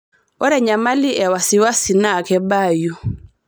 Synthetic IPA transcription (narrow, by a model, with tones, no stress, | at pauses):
ɔ˦ɾɛ˨ɲa˨ma˦li˦ʔɛ˨wa˨si˨wa˦si˨na˦˨kɛ˦ba˦˨ju˨